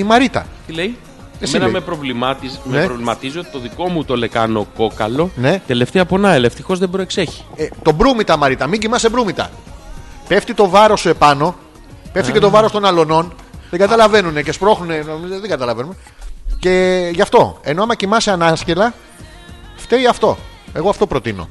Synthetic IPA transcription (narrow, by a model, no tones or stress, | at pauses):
imɐɾit̪ɐ̰t̪ileji | esiɐeimepɾovlimɐt̪imeeɾovlimɐt̪iziot̪i̥t̪oðiko̞mut̪ole̞kɐno̞ko̞kɐlo̞ne̞t̪e̞le̞ft̪eɐpo̞nɐelɐeft̪ixo̞zðebɾoekse̞çi̥et̪o̞bɾumit̪ɐmɐɾit̪ɐmiɲɟimɐsebɾumit̪ɐ̰ | pe̞ft̪it̪o̞vɐɾo̞sue̞pɐno̞ | peft̪icet̪o̞vɐɾost̪o̞nɐlo̞no̞n | ðeɡɐt̪ɐlɐve̞nune̞ce̞spɾo̞xnune̞nomizðeɡɐt̪ɐlɐvenume | ce̞ʝɐft̪o̞e̞noɐmɐcimɐseɐnɐsce̞lɐ | ft̪e̞iɐft̪o̞̰eɣo̞ɐft̪o̞pɾo̞t̪ino̰